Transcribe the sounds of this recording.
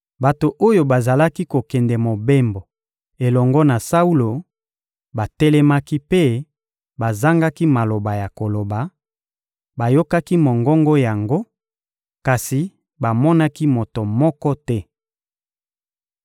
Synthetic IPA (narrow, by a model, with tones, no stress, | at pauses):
ba˨to˨ʔo˦jo˨ba˨za˨la˦ki˦ko˨kɛ˨ndɛ˨mo˨be˦mbo˨ | e˨lɔ˨ŋɡɔ˦na˨sa˦u˦lo˨ | ba˨tɛ˦lɛ˦ma˦ki˦pe˦ | ba˨za˦ŋɡa˦ki˦ma˨lo˨ba˨ja˨ko˨lo˨ba˨ | ba˨jo˦ka˦ki˦mo˨ŋɡɔ˦ŋɡɔ˦ja˨ŋɡo˦ | ka˨si˨ | ba˨mɔ˦na˦ki˦mo˨to˨mɔ˦kɔ˦tɛ˦